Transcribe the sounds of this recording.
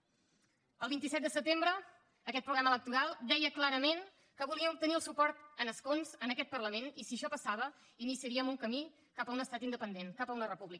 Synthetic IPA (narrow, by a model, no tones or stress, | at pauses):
əlˠβint̪isɛt̪̚d̪əsət̪embɾəː | kɛt̪̚pɾuɣɾamələk̚t̪uɾalˠd̪ɛjəklaɾəmen | kəβuliəmt̪əniəlˠsupɔɾt̪ənəskonzənəkɛt̪̚pərləmenisiəʃɔpəsaβ̞ə | inisiəɾiəmuŋkəmi | kapəunəst̪at̪ind̪əpənd̪enkapəunərəpuβlik